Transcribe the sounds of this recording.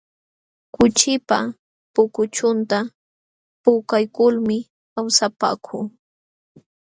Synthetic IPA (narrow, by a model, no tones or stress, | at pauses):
kʊt͡ʃɪpa | pʊkʊt͡ʃʊnt̪a | pʊkajkʊlmɪ | kawsapa̰ːkʰuː